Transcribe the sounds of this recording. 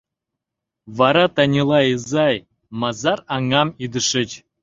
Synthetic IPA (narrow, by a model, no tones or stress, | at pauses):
vɑɾɑt̪ɑnʲilˠɑjəzɑj | mɑzɑɾɑŋɑmid̪ə̆ʂɘ̆t͡ɕ